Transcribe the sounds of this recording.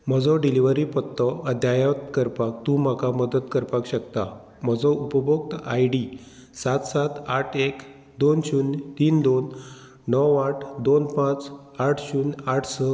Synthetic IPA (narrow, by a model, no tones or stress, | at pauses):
m̤əd͡zɔɖiliʋəɾipət̪ːɔʔəd̪jajat̪kəɾpakt̪ũm̤akaməd̪ət̪kəɾpakɕək̚t̪a | m̤əd͡zɔupəbɔk̚t̪ajɖi | sat̪sat̪aʈʰek | d̪onɕuːnt̪iːnd̪onː | ɔwaʈʰd̪onpãt͡s | aʈʰɕuːnaʈʰsə